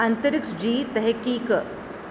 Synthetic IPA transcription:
ɐnt̪ɐɾɪksd͡ʒiːt̪ɛɦɛkiːk

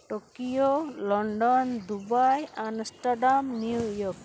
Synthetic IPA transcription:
ʈokiolɔɳɖɔnd̪ubajansʈaɖamniujɔk

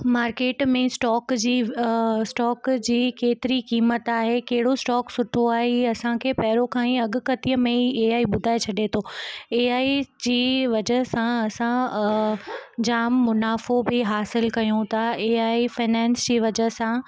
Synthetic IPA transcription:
maːɾkeːʈmẽsʈɔːkd͡ʑiːsʈɔːkd͡ʑiːkeːt̪ɪɾikiːmət̪aːɦekɐɦɪɽosʈɔːksʊʈʰoaːɦeɐsãkʰeːpɐɦɪɾokʰãːĩɐɡʊ̆kɐt̪ijəmẽeːaːiɓʊd̪ʱaːet͡ɕʰɐɗet̪ʰoːeːaːid͡ʑiːʋɐd͡ʑəɦsãɐsã | d͡ʑaːmːʊnaːfobɪɦaːsɪlkɐjũt̪ʰaeːaːifaːnɛ̃ːnsd͡ʑiːʋɐd͡ʑəɦsã

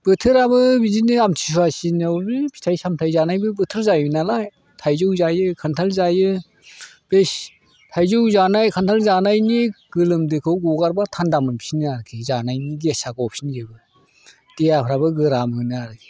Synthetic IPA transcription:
b̥ɯtʰɯɾabɯbizinɯamtʰis̬uasinawbipʰi̥tʰajsamtʰajzanajbɯbɯtʰɯɾzajbɯnalaj | tʰajzɯwzajɯkʰantʰalzajɯ | b̥es | tʰajzɯwzanajkʰantʰalzanajniɡ̥ɯlɯmdɯkʰɯwɡuɡaɾbatʰandamɯnpʰi̥sinɯaɾkʰizanajniɡesaɡɔp̚sinɡebɯ | d̥ejapʰɾabɯɡɯɾamɯnɯaɾkʰi

